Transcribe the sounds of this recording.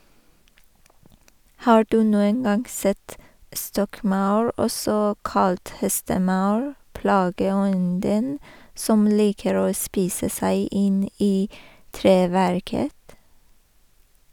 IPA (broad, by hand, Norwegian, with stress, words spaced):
ˈhɑː ˈɖʉː ˈnuːən ˈɡɑŋ ˈsɛt ˈstɔkˌmɑʉɹ ˈɔsɔ ˈkɑlt ˈhɛstəˌmɑʉɹ ˈpɽɑːɡəˌɔndən ˈsɔm ˈliːkəɾ ˈoː ˈspiːsə ˈsæɪ ˈɪn ˈiː ˈtɾeːʋæɾkət